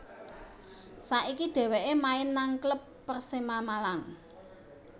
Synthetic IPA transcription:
saʔikid̪̥e̤weʔemaɪnːaŋkləpːərsimamalaŋ

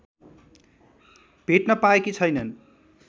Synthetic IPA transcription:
b̥ʱeʈnʌpaekit͡sʰʌjnʌn

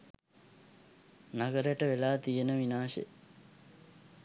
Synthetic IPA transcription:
naɡəɾəjʈəʋelaːt̪ijenəʋinaːsḛ

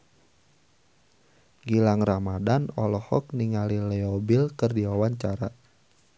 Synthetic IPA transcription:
ɡilaŋramadanɔlɔhɔ̰k̚niŋalilɛɔbilkɨrdiwawaɲt͡ʃaɾa

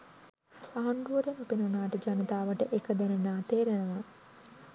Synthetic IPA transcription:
aɦɐɳɖuɐɾenupinunaːʈəd͡ʒanɐt̪aːʋəʈəʔekəd̪ænenaːt̪eːɾenɐʋa

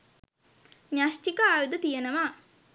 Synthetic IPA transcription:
ɲaʃʈikəaːjud̪ət̪ijenəʋa

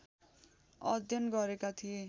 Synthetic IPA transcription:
ʌd̪ʱjʌnɡʌɾekat̪ʰie

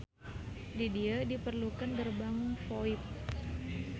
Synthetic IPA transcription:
didiadipərlukandərbaŋnfoɪp̚

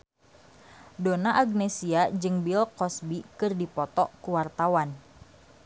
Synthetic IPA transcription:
donaʔaɡnɛsiad͡ʒɨŋbilkɔsbikɨrdipɔt̪ɔkuwart̪awan

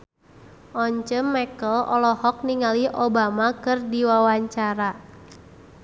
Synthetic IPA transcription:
ʔɔɲt͡ʃəmːɛkəlɔ̰lɔhɔk̚niŋaliʔobamakɨrdiwawaɲt͡ʃaɾa

